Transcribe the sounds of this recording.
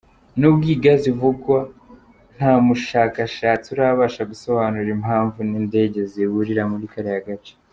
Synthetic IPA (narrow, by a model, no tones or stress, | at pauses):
nubɡiːɡazivuɡwa | n̥haːmuʃaːkaʃaːt͡siuɾaβaːʃaɡuso̞βanuɾimaːɱvuninde̞ːɟe̞ziβuɾiɾamuɾikaɾejaɡat͡ʃe̥